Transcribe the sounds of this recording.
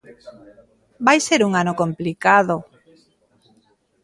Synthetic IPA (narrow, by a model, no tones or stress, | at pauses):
bajseɾuŋanokomplikaðo